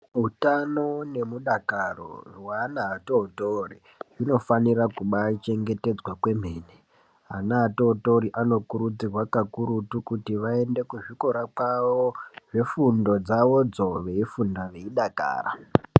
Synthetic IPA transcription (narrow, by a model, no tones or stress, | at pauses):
ɦutano̞ne̞muɗakaro̰rwanaːtoutori | ʐino̞faniɾakuɓat͡ʃe̞ŋɡe̞te̞d͡zwakwe̞m̤e̞ːne | anaato̞uto̞ɾiʔano̞kuɾud͡zirwakakuɾutukutiʋae̞nde̞kuʐiko̞ɾakwaʋo̞ʐe̞fundo̞d͡zaʋo̞d͡zo̞ʋe̞ifundaʋe̞iɗaka̰ːra̰